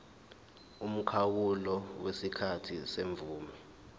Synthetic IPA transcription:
um̩kʰawulɔwesikʰatʰḭseɱvuːmɛ

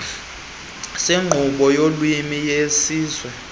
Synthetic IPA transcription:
seŋ͡ǃʱuɓɔjolwimijesiːzwɛ

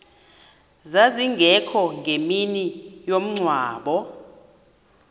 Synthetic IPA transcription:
zaziŋɡʱɛkʰɔŋɡʱeminijom̩ŋ͡ǀʱwaːɓɔ

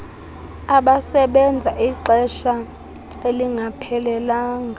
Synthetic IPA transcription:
aɓasɛɓɛnd͡zʱaʔiǃɛʃa | eliŋʱapʰɛlɛlaːŋɡʱa

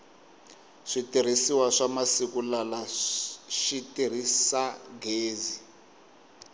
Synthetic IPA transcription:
ʂitiɾ̤isiwaʂamasikulala | ʃitir̤isaɡeːzi

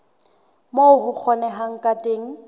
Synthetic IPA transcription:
moʊɦʊk͡xʰɔnɛɦaŋ̩kʼatʼeːŋ̩

